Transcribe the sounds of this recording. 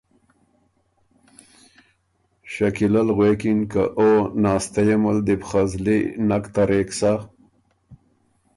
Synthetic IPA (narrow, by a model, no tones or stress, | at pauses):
ʃakilalɣwekinka̰ʔonɑːst̪ajaməld̪ipχazlḭnakt̪aɾeksa